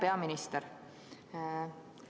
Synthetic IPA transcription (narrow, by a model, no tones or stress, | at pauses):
pe̞ɑminist̪eɾ